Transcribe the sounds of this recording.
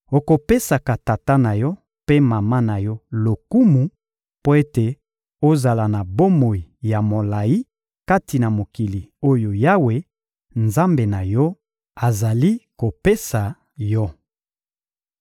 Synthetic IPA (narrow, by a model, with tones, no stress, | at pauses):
o˨ko˨pe˦sa˨ka˨ta˨ta˦na˨jɔ˦ | pe˦ma˨ma˦na˨jɔ˦lo˨ku˦mu˨ | po˦e˦te˨ | o˦za˨la˨na˨bo˦mo˨i˨ja˨mo˨la˨ji˦ | ka˦ti˨na˨mo˨ki˨li˨o˦jo˨ja˦we˨ | nza˦mbe˨na˨jɔ˦ | a˨za˨li˦ko˨pe˦sa˨ | jɔ˦